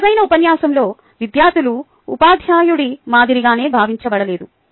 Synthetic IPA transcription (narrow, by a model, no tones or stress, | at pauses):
ɐjnɐupɐnjaːsɐmlo̞ː | ʋid̪jaːd̪ulu | upaːd̪ʱjaːjuɽimaːd̪iɾiɡaːne̞ːbʱaːʋiɲt͡ʃɐbɐɽɐle̞ːd̪u